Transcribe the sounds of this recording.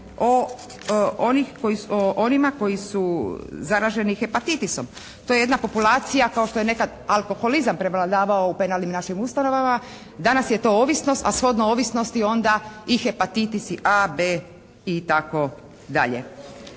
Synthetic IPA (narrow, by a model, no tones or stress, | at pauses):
o | onixko̞jioʔo̞nimako̞jisuzaɾaʒe̞nixe̞pat̪it̪iso̞̰m | t̪ojee̞d̪napo̞pulaːt̪sijakao̞ʃt̪o̞jene̞kad̪alˠko̞xo̞lizampɾe̞ʋlˠad̪aːʋaoupe̞nalnimnaʃimust̪ano̞ʋama | d̪anasje̞t̪o̞oʋisno̞st̪asxo̞d̪nooʋisno̞st̪io̞nd̪aixepat̪it̪isiʔabeː | it̪ako̞ | d̪a̰ʎḛ